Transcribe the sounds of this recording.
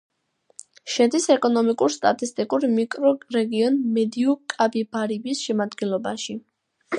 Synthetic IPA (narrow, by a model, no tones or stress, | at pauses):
ʃɛd̪isɛkʼɔnɔmikʼuɾst̪ʼat̪ʼist̪ʼikʼuɾmikʼɾɔɾɛɡiɔnmɛd̪iɔkʼabibaɾibisʃɛmad̪ɡɛnlˠɔbaʃi